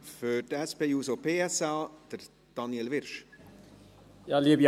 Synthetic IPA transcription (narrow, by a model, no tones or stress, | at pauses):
fødɛspeːjuːsopeːɛsɑːd̪̥əɾ | d̥ɑnjɛlʋɪɾʃ | jɑːleːv